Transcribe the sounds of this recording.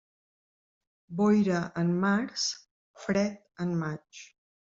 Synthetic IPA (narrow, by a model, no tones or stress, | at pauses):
bɔjɾəʔənmaɾs | fɾɛt̪̚ənmat͡ʃ